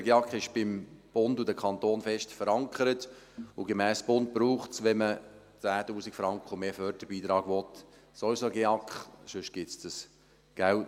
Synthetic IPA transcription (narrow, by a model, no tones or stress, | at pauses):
əɡeɑkχɪʃb̥ɪmb̥ʊndudəkʰχɑnt̪oːnfɛʃtfəɾɑŋkχəɾət | ʊɡemɛːsb̥ʊnt̚b̥ɾuːχtsʋɛmə | t͡sæːtuːsikfɾɑŋkχəumeːfœɾtəb̥iːt̪ɾɑːɡ̥ʋɔt̪ | sɔisoɡeɑkχʃʏʃɡ̥ɪtsd̥əs | ɡ̥ælt